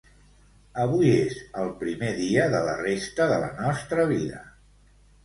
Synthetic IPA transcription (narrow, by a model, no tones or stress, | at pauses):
əβ̞ujezəlˠpɾimeðiəðələrest̪əðələ̰nɔst̪ɾəβ̞iðə